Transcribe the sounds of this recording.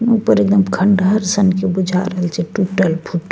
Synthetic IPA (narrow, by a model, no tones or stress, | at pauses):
nuupəɾeɡ̚d̪əmkʰəɳɖəɾsənkebud͡ʒʱa̰ɾəɦəlt͡ʃʰeʈuʈəlpʰuʈ